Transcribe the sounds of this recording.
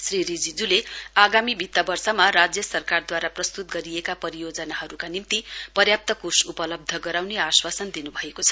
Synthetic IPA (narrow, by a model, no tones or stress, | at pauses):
sriɾid͡zid͡zuleaɡamibʱit̪ːabʌrsʌmarad͡zjʌsʌrkard̪waɾaprʌst̪ut̪̚ɡʌɾiekapʌɾijod͡zʌnaɦʌɾukanimt̪ipʌrjap̚t̪ʌkosupʌlʌb̚d̪ʱʌɡʌɾawneaswasʌnd̪inubʱʌekot͡sʰʌ̥